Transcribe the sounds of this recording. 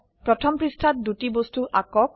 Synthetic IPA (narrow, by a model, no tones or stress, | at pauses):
pɹɔtʰɔmpɹistʰat̚dutibostuʔakɔk̚